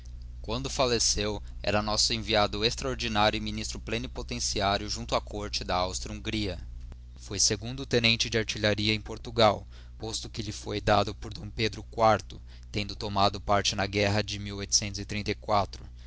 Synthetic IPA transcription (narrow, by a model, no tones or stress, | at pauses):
kwɐ̃nd̪ʊfalesew | ɛ̰ɾɐnɔsʊẽviad̪ʊest̪ɾɐoɾd͡ʒinaɾjʊɪminist̪ɾʊplẽnɪpot̪ẽsiaɾjʊʒũnt̪ʊakʰoɾt͡ʃɪd̪ɐawst̪ɾiũŋɡɾiɐ | fojseɡũnd̪ʊt̪enẽnt͡ʃɪd͡ʒɪaɾt͡ʃiʎaɾiɐẽj̃poɾt̪uɡaw | post̪ʊkɪʎɪfojd̪ad̪ʊpoɾd̪õw̃ped̪ɾʊkwaɾt̪ʊ | t̪ẽnd̪ʊt̪omad̪ʊpaɾt͡ʃɪnɐɡɛɦɐd͡ʒɪmiwojt̪ʊ̥sẽnt̪ʊzɪt̪ɾĩnt̪ɐjkwat̪ɾʊ